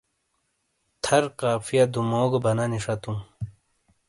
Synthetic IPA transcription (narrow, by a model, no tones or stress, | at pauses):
t̪ʰɐɾqaːfʰijɐd̪umoːɡbɐnaniʂɐt̪um